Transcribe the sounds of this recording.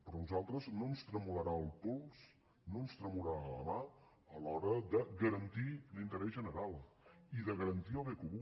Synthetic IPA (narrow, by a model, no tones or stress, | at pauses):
pɾɔnuzalˠt̪ɾəznomst̪ɾəmuləɾaəlˠpuls | noəmst̪ɾəmuləalə̰ma | əlɔɾəd̪əɣəɾənt̪ilint̪əɾɛzʒənəɾalˠ | iðəɣəɾənt̪iəlˠβekuβu